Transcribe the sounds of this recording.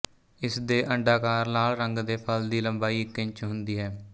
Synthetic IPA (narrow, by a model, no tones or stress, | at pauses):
ɪsd̪eːʔəɳɖaːkaːɾnaːlɾəŋɡd̪eːpʰəld̪iːləmbaːiːkɪ̃ɲt͡ʃɦʊ̃nd̪iːɦɛː